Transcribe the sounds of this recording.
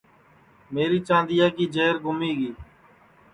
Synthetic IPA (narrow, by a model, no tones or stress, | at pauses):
meːɾiːt͡ʃãːnd̪ɪjaːkiːd͡ʒeːɾɡʊmiːɡiː